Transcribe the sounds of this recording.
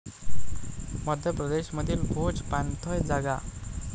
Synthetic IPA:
məd̪ʱjəpɾəd̪eɕməd̪ʱiːlbʱod͡zpant̪ʰəjd͡zaɡa̰

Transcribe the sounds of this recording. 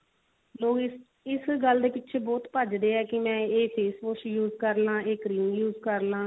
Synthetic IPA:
loːkɪ | ɪsɡəld̪eːpɪtːʃʰeːbɔːt̪pəd͡ʒd̪eːɛːkɪmɛ̃ːeːseːsʋoʃjuːzkəɾlãːeːkɾiːũːjuːzkəɾlãː

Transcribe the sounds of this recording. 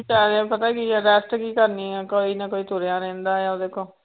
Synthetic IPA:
t͡ʃaːɾ̃ːpət̪aːkiɾɛːsʈkiːkəɾniːɛːkoːiːnakoːiːt̪oɾeãːɾɛ̃ːnd̪aːjaod̪eːkʰoː

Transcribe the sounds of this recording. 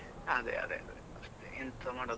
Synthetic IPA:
ɐd̪ḛɐ̰d̪ḛɐd̪eɐst̪eʔint̪ɐmaːɽo

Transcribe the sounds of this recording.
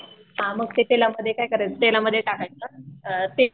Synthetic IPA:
ɦãməɡ̚t̪et̪elaməd̪ʱːjekajkəɾet͡st̪elaməd̪ʱːjeʈakajt͡sət̪e

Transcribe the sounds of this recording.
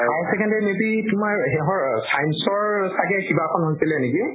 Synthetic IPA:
asɛkʰɛndɛmebitumaɹɦɛɦɔɹsajnsɔɹsakɛkibakʰɔnɦojsilɛniki

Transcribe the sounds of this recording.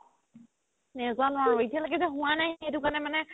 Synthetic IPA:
nɛzanaɹojtʰɛlaɡɛzɛɦʊ̃wanajxejtʊkanɛmanɛ

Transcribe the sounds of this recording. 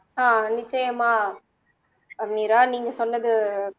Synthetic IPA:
aːnɪt͡ʃːɐjɐmaː | ɐniːɾaːniːŋɡɐsɔnːɐðɯ

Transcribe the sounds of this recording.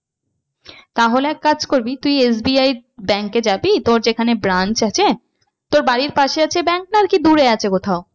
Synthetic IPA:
t̪aɦoleɛkːad͡ʑkoɾbit̪ujes̬biajɾbɛŋkːed͡ʑabit̪oɾd͡ʑekʰanebɾant͡ɕat͡ɕʰe | t̪oɾbaɽiɾpaʃeat͡ɕʰebɛŋk̚naɾkid̪uɾeat͡ɕʰekot̪ʰao

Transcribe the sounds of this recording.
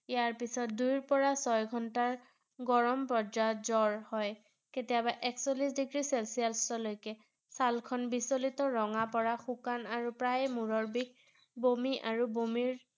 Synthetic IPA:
ijaɹpisɔt̚dujɹpɔɹasɔjɡʱɔntaɹ | ɡɔɹɔmpɔzaɔtzɔɹhɔj | ketijabaʔɛksolisdiɡɹiselsijalstɔlojkɛ | salkʰɔnbisolitɔɹɔŋapɔɹaxukanaɹupɹajmuɹɔɹbik̚ | bomiʔaɹubomiɹ

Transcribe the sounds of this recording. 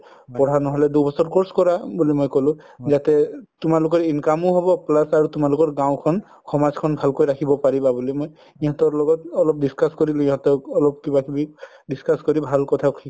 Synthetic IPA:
pɔɹ̤anɔɦɔlɛdobɔsɔɹkoɹskɔɹabulimojkɔlʊ̃ | zatɛtumalʊkɔɹinkamʊɦɔbɔplasaɹutumalʊkɔɹɡãwkʰɔn | kʰɔmazkʰɔnbʱalkojɹakʰibɔpaɹibabulimoj | iɦɔ̃tɔɹlɔɡɔt̚ɔlɔp̚diskaskoɹilũĩɦɔ̃tɔːlɔp̚kibakibi | diskaskɔɹibʱalkɔtʰakʰi

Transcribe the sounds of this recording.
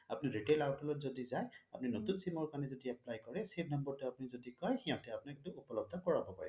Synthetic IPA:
apuniɹiʈelawtʰɔlɔtzodizaja̰puninotunsimɔɹkanɛzodiaplajkɔɹɛseb̚ʱnambɔɹtuapunizodikɔjxiɔ̃tɛapunakituːpɔlɔb̚d̪ʱɔkɔɹabʱɔpa̰j

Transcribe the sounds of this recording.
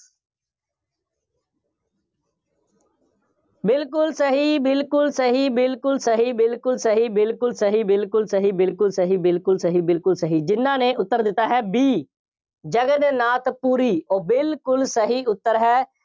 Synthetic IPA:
bɪlkʊlsəɦiːbɪlkʊlsəɦiːbɪlkʊlsəɦiːbɪlkʊlsəɦiːbɪlkʊlsəɦiːbɪlkʊlsəɦiːbɪlkʊlsəɦiːbɪlkʊlsəɦiːbɪlkʊlsəɦiːd͡ʒɪnːãːneːʔʊt̪ːəɾd̪ɪt̪ːaːɦɛːbiː | d͡ʒəɡənnaːt̪puːɾiːoːbɪlkʊlsəɦiːʊt̪ːəɾɦɛː

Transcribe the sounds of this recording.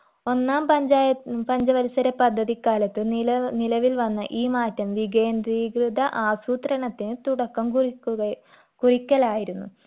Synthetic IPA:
o̞nːaːmpɐɲd͡ʑaːjɐpɐɲd͡ʑɐʋɐɾusɐɾɐpɐd̪ʱːɐðikːaːlɐt̪ːɨɐnilɐʋilʋɐnːɐʔiːmaːtːɐmʋiɡeːnd̪riːɡrɨðɐʔaːsuːt̪rɐɳɐt̪ːinɨt̪uɽɐkːɐmkurikːuɐ | kurikʲːɐɭaːjiɾunːu

